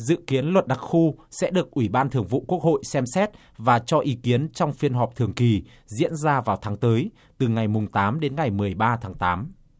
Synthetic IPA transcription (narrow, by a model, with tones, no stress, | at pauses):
zɨ̰˧˨ki˨˦ənlwə˨˩t̚ɗa˨˩k̚xu˧sɛ̰˧˥ɗɨ˨˩ək̚ʔwi˧˩ɓaː˧nt̪ʰɨ˨˩əŋvṵ˧˨ku˦˥ək̚ho̰˧˨jsɛ˧msɛ˦˥t̚ | vaː˨˩t͡ɕɔ˧ʔi˨˦ki˨˦ənt͡ɕɔ˧wŋ͡mfi˧ənɦɔ˨˩p̚t̪ʰɨ˨˩əŋki˨˩ | zḭ˧˥ənzaː˧vaː˨˩wt̪ʰaː˨˦ŋt̪əː˨˦j | t̪ɨ˨˩ŋa˨˩jmʊ˨˩ŋ͡mt̪aː˨˦mɗe˨˦nŋa˨˩jmɨ˨˩əjɓaː˧t̪ʰaː˨˦ŋt̪aː˨˦m